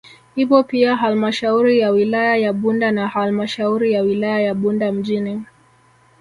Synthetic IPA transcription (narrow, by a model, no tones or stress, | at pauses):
hipɔpiaɦalmaʃauɾijawilajajaɓundanahalmaʃauɾijawilajajaɓundam̩ʄini